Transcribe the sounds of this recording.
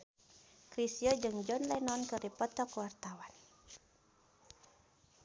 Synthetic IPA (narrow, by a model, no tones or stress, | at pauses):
kɾisiɔd͡ʒɨŋd͡ʒɔnlɛnɔnkɨrdipɔt̪ɔkuwart̪awan